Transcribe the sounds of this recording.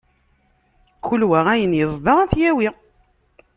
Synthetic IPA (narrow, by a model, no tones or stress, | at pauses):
kːʊlwæʁæjənjəzˤd̪ˤɑʁæθjæwi